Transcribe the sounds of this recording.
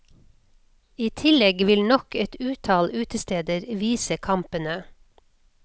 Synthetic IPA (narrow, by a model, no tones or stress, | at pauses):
iːt̪ʰɪlɛɡʋɪlnɔkɛt̪ʉːt̪ʰɑːlʉːt̪əst̪eːd̪əɾʋiːsəkʰɑmpənə